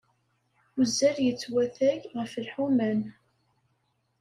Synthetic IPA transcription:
ʊzːæɾjət͡sːwæθæʝʁəfəlħumæn

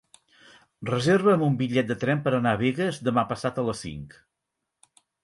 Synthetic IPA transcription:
rəzeɾβəːmumbiʎɛt̪̚d̪ət̪ɾɛmpəɾənaβeɣəzðəmapəsat̪ələsḭŋk

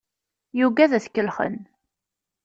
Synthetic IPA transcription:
juɡæðæθkːəlχə̰n

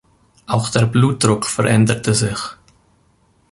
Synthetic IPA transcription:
ʔaʊxd̥eːɐbluːt̚d̥ʁʊkfɛʁʔɛndətʰəzɪç

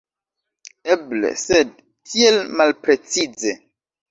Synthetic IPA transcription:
eblḛsed̚ | kʰielmalpɾet͡sid͡zze

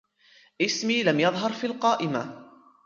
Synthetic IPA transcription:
ʔɪsmiːlamjɑðˤɦɑɾˤfiːlqɑːʔɪma

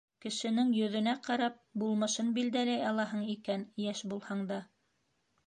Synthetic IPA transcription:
kɘ̆ʃɘ̆nɘŋjɵ̆ðɵ̆næqɑɾɑp̚bulˠmɤ̆ʃɤnbild̪ælæjɑlˠɑɦɤɴikænjæʃbulˠhɑɴd̪ɑ

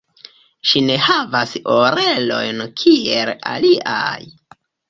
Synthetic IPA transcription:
ʃine̞havasoɾe̞lo̞̰jnkʰiela̰liʔa̰j

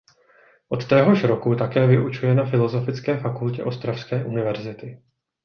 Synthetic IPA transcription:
ʔo̞t̪ːɛːɦo̞ʃɾokut̪akɛːvɪʔut͡ʃujɛnafɪlo̞zo̞fɪt͡skɛːfakulcɛʔo̞st̪ɾafskɛːʔunɪvɛɾzɪt̪ɪ

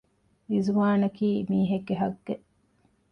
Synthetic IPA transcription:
izuʋaːnɐkiːmiːɦeɡːeɦɐɡːe

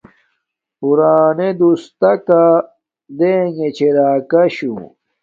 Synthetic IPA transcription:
puɾaːned̪ust̪ɐka | d̪eːŋet͡ɕʰeɾaːkɐɕṵ

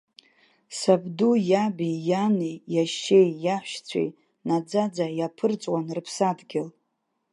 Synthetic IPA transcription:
sabdujabijanijaʃːe̞jːaħʷʃt͡sʷʰḛj | nad͡zad͡zajapʰɨrt͡sʼwanrɨpʰsadɡʲɪl

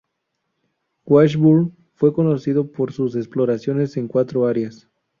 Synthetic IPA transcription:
ɡwaʃβul | fwe̞konosiðo̞poɾsus̬esploɾasjo̞ne̞seŋkwat̪ɾoaɾjas

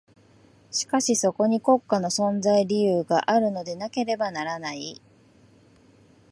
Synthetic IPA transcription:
ɕi̥kaɕiso̞ko̞ɲ̟iko̞kːano̞sõ̞nzaiɾʲijɯːɡaʔaɾɯ̟no̞d̪e̞nake̞ɾe̞banaɾanai

